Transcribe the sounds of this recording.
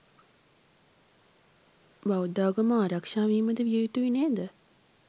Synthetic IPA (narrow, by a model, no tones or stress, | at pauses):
baud̪aːɡəməaːɾakʂaːʋiɦiməd̪əʋiəjut̪uʋineːd̪ə